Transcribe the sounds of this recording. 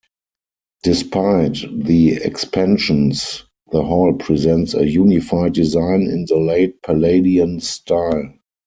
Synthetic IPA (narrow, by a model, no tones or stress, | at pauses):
d̥ɪspʰaɪtðiɛ̰kspʰɛ̃nʃə̃ns | ðəɦɔlpʰɹizɛ̃ntsə̰juːnifaɪd̚dizãɪ̃nɪ̰̃nðəleɪt̚pʰəleɪdiə̃nstʰaɪl